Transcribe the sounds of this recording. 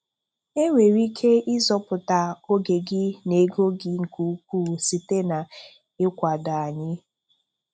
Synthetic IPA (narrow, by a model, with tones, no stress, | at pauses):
e˦ŋʷe˨ɾi˦kʰe˦ɪ˦zɔ˦pʊ˨ta˨o˦ɡe˨ɡɪ˦ne˨ɡo˦ɡɪ˨ŋ̩˨ku˨˦k̚ʷuː˦˨si˨te˦na˨ | ɪ˦kʷa˨da˨a˨ɲɪ˦